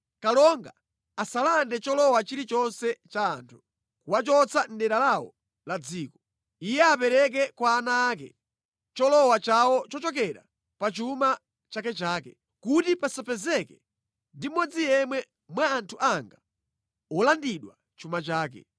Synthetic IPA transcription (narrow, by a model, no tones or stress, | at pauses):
kalɔŋɡa | asalandɛt͡ʃɔlɔwat͡ʃiɾit͡ʃɔnsɛt͡ʃaːntʰu̥ | kuwat͡ʃɔt͡sʰan̩ɗɛɾalawɔ̰ | lad͡ziːkɔ | ijɛapɛɾɛk̬ɛkwaːnaːk̬ɛ̰ | t͡ʃɔlɔwat͡ʃawɔt͡ʃɔt͡ʃɔk̬ɛɾa̰ | pat͡ʃuma | t͡ʃakɛt͡ʃaːkɛ | kutipasapʰɛzɛkɛ | ndimɔd͡zijɛmwɛ | mwaːntʰuʔaŋɡa | ɔlandiɗwa | t͡ʃumat͡ʃaːkɛ̰